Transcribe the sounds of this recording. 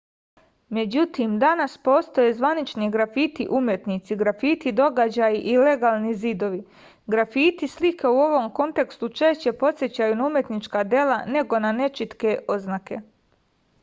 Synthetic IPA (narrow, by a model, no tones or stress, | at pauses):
me̞d͡ʑut̪imd̪anaspo̞ːst̪o̞je̞zʋanit͡ʃniɡɾafiːt̪ḭʔumje̞t̪nit̪siɡɾafiːt̪id̪o̞ɡad͡ʑajiʔile̞ɡaːlˠnizid̪o̞ʋi | ɡɾafiːt̪islike̞uo̞ʋo̞mko̞nt̪e̞kst̪ut͡ʃeʃt͡ɕe̞po̞t̪sjet͡ɕajunaumje̞t̪nit͡ʃkaːd̪je̞lane̞ɡo̞nane̞t͡ʃit̪ke̞ʔo̞znake̞